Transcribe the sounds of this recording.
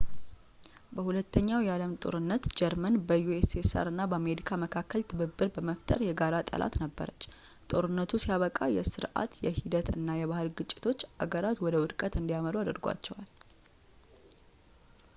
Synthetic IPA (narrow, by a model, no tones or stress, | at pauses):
bəhulət̪ːəɲːawjɛaləmt̪ʼo̞̰ɾɨnːət̪d͡ʒɛɾmənbəjuesesə̰ɾɨnːabəame̞ɾikʰaməkʰakːəlt̪ʰɨβɨbːɨɾbəməft̪ʼəɾjɛɡaɾat̪ʼə̰lʔa̰t̪nəbːə̰ɾət͡ʃː | t̪ʼo̞ɾɨnːət̪ʰusijaβəkʼajɛsɨɾʔa̰t̪jɛhid̪ət̪ɨ̰nːajɛβahɨlɡɨt͡ʃʼːɪ̥t̪ʰo̞t͡ʃːa̰ɡəɾat̪wɔd̪əwʊd̪kʼət̪ɨnd̪ijaməluad̪əɾɡʷa̰t͡ʃːɛwal